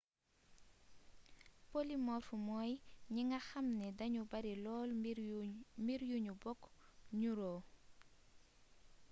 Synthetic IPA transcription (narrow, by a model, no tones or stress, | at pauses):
polimɔːrfumɔjɲiŋɡɐxɐmnɛdɐɲubɐɾilɔːl | mbiɾjuɲubɔkːɲuɾɔː